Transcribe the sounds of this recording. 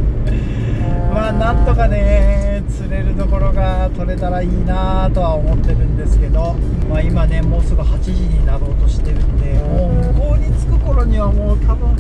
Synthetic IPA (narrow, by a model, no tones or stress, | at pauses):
maːnãnt̪o̞kane̞ | t͡sɨɾe̞ɾɯ̟d̪o̞ko̞ɾo̞ɡat̪o̞ɾe̞t̪aɾaiːnat̪o̞βaomo̞t̪ːe̞ɾɯ̟̃nd̪e̞sɨ̥ke̞d̪o̞maːimane̞mo̞ːsɨɡɯ̟hat͡ɕiʑiɲ̟inad̪o̞ːt̪o̞ɕi̥t̪e̞ɾɯ̟nd̪eoːɡoːɲʲit͡sɨ̥kɯ̟ko̞ɾo̞ɲ̟iβ̞amoːt̪ʰabɯ̟̃